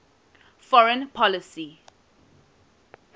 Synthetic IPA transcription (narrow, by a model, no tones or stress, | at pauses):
fɔɹə̃npʰɔlisi